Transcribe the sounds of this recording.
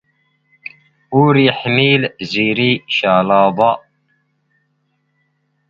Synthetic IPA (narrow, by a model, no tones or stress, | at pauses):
ʊɾjəħmilziɾiʃalɑðˤɑ